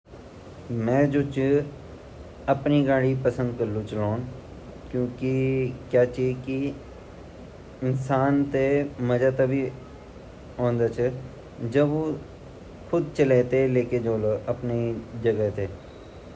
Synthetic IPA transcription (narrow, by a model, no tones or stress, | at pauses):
mɛ̃ːd͡ʒoːt͡ʃ | əpniɡaːɽipəsə̃nd̪kəɾlũt͡ʃəloːn | kjõːkikjaːt͡ʃiki | ɪnsaːnt̪eməd͡ʒat̪abʱi | õːnd̪aːt͡ʃʰɛ | d͡ʒəbo | kʰʊd̪t͡ʃəleːt̪eleːked͡ʒoːloəpned͡ʒəɡət̪eː